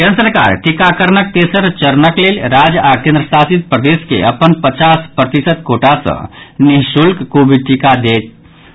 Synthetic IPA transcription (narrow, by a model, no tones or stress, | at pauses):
kẽnsəɾka̰ːɾʈikakəɾnək̚t̪esəɾt͡ʃəɾnəklelɾaːd͡ʒakẽnd̪ɾəsaːsit̪̚pɾəd̪eskḛəpənpət͡ʃaːspɾət̪isət̪̚koːʈasə̰̃niɦʃulkkobiʈikad̪eːt̪̚